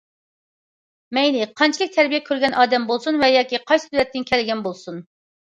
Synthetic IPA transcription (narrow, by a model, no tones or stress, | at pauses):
mɛjnɪqʰɑnt͡ʃʰilˠɨk̚ʲt̪ʰæɾbijɛkʲʰøɾɡʲɛnʔɑːd̪ɛmbolˠsunvɛjɑːkʲiqʰɑjsɨ̥t̪ʰyɾɛt̪ːɪnkʲʰɛlɪɡʲɛnbolˠsun